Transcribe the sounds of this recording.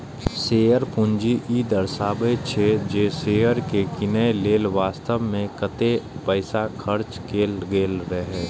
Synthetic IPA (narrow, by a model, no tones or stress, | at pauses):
seːəɾpʊ̃ɲd͡ʒiʔiːd̪əɾsaːbet͡ʃʰed͡ʒeːseːəɾkekɪnəeleːlʋaːst̪əʋmẽkət̪epəɪsakʰɐɾt͡ʃkʰeːlɡeːlɾəɦeː